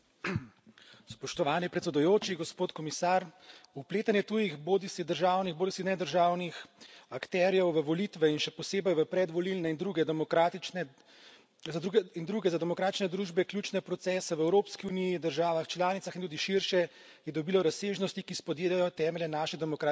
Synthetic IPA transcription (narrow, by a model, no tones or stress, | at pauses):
spɔʃt̪ɔʋaːnipɾɛt̪sɛd̪ujoːt͡ʃiɡɔspoːt̪kɔmisaːɾupleːt̪anjɛt̪ujixboːd̪isid̪əɾʒaːwnixboːd̪isixnɛd̪əɾʒaːwnixakt̪ɛɾjɛwʋəʋɔlit̪ʋɛinʃɛpɔseːbɛjʋəpɾɛd̪ʋɔlilnɛind̪ɾuɡɛd̪mɔkat̪inɛ | zuind̪ɾuːɡɛzad̪ɛmɔkɾaːt̪i̥t͡ʃnɛd̪ɾuːʒbɛklʲjuːt͡ʃnɛpɾɔt̪sɛːsɛwɛwɾoːpskiunijid̪əɾʒaːʋaxt͡ʃlaːnit̪saxint̪ud̪iʃiɾʃɛ | jɛd̪ɔbiːlɔɾaseːʒnɔst̪ikispɔd̪eːlajɔt̪ɛːmɛlʲjɛnaːʃid̪ɛmɔkɾa